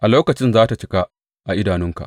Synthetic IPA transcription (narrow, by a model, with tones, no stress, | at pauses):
ʔa˨loː˦kɐ˨t͡ʃɪ˦nzaː˦ta˨t͡ʃɪ˦ka˦ | ʔa˨ʔɪ˦daː˨nʊ˦ŋka̰˨ʔ